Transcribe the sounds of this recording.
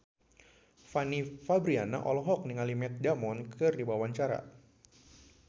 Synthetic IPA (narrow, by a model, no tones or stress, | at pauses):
fanifabɾiana̰ʔɔ̰lɔɦɔk̚niŋalimɛt̪̚damɔnkʰɨrdibawaɲt͡ʃaɾa̰